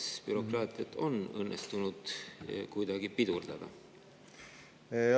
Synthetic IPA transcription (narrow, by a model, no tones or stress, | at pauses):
spyɾo̞krɑːt̪ˑiɑt̪ːˑo̞nɤnːest̪unud̪̥kujd̪̥ɑɡipid̪̥urd̪̥ɑd̪̥ɑ̰